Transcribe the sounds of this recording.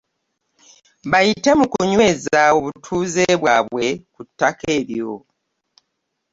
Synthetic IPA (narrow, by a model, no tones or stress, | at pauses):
βajite̞mukuɲwe̞zaoβutʰuːzeːβwaːβwe̞kutːake̞ːβjo̞